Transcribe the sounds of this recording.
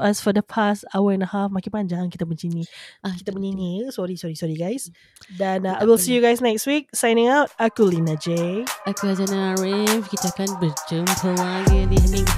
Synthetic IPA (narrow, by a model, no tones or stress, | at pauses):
asfɔdəpʰastawəɛ̃ndəhafmakĩpand͡ʒaŋkit̪əmənt͡ʃiniakit̪əməninisɔɹisɔɹisɔɹiɡajs | dɛ̃najwilsijuɡajsnɛkstwik̚sãjnɪ̃ŋawt̚akulinad͡ʒeakuazanaːɹavkit̪aakanbəd͡ʒəmpʰəlaɡədianĩ